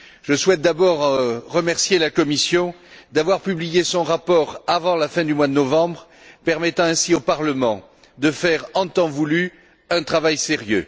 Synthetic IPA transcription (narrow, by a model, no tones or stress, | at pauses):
ʒəswɛt̪̚d̪abɔʁːəmɛʁsjelakɔmisjɔ̃ | d̪avwaʁpyblijesɔ̃ʁapɔʁavɑ̃lafɛ̃d̪ymwad̪ənɔvɑ̃bʁ | pɛʁmɛt̪ɑ̃ɛ̃siopaʁləmɑ̃ | d̪əfɛʁɑ̃t̪ɑ̃vuly | ɛ̃t̪χavajseʁjø̰